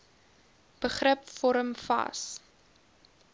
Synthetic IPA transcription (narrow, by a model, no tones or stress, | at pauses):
b̥əχrəpfɔɾəmfɐ̰s